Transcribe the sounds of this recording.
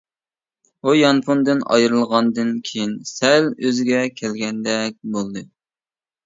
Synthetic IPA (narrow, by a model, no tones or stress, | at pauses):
ujɑnpund̪ɨnɑ̰jɾɨlˠʁɑnd̪ɨnkʲʰejinsɛløzɪɡʲɛkʲʰɛlɡʲɛnd̪ɛk̚ʲbolˠd̪ɨ